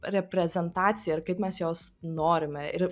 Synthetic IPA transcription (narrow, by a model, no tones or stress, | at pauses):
ɾʲɛpʲɾʲɛzʲɛnt̪ɑːt̪t͡s̪ʲɪjɛɐrkɐɪpmʲɛsjoːsnoːɾʲɪmʲɛʔɪɾ